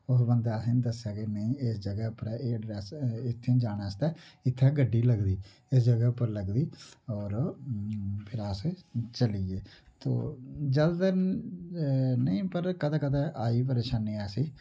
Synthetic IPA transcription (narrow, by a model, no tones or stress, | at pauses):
ʊɦbənd̪aːsind̪əsjaːkenəĩːɪsd͡ʒəɡɛpəɾeːɖɾɛːsɪt̪ʰːẽːd͡ʒaːnaːst̪ɛːɪt̪ʰːeːɡəɖːiːləɡd̪iː | ɪsd͡ʒəɡəːpəɾləɡd̪iːɔːɾ | pʰɪɾaːset͡ʃəliːeːt̪o̰ːd͡ʒəld̪ə | nəĩːpəɾkəd̪aːkəd̪aːʔaːiːp̬əɾeːʃaːnːiːɛːsiː